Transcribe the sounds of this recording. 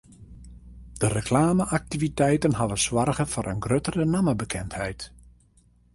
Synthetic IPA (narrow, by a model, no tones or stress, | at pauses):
d̥ərəkʰlaːməʔak̚tivitɛjtənɦaʋəswarɣəfɔɾʔənɡrøtərənaməbəkʰɛnthɛjt